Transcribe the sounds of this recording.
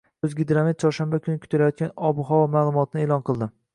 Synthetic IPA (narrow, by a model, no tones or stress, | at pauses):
ɵzɡʲɪd̪ɾamit̪̚t͡ʃʰɒɾʃanbakʲʰʊnɪkʰʊ̥t̪ʰalajɒt̪̚kʲanɒbʊɦɒvɒmaːlˠʊmɒt̪ʰɪnɪeːlˠɒnqʰɨlˠd̪ɪ